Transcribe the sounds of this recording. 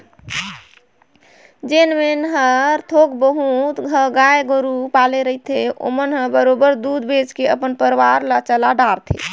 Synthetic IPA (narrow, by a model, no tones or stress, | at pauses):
d͡ʒenmenɦəɾt̪ʰokbəɦut̪ɡʱəɡajeɡəɾupaleɾəɦit̪ʰeo̰mənɦəbəɾobəɾd̪ud̪bed͡ʒkeəpənpəɾʋaɾlət͡ʃəlaɖaɾt̪ʰḛ